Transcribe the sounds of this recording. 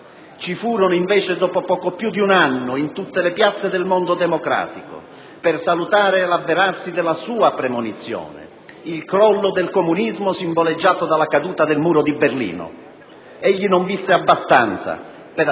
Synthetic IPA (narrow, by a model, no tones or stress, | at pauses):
t͡ʃifuːɾonʊiɱveːt͡ʃed̪ɔːpopɔːkopjud̪iunanːʊint̪ut̪ːelepjat̪sːed̪elmond̪ʊd̪ɛmokɾa̰ːt̪ikʊ̰ | pɪrsalut̪aːɾɪlabːeɾarsid̪ɛlasuːapɾemonit̪sːjɔ̰ːnɪ̰ | ilkɾɔlːʊd̪elkomunizmʊsiɱboled͡ʒːaːt̪od̪alakad̪uːt̪ad̪elmuːɾʊd̪iberlḭːnʊ̰ | ɛʎːinʊɱvisːeabːast̪ant̪sa̰ | peɾ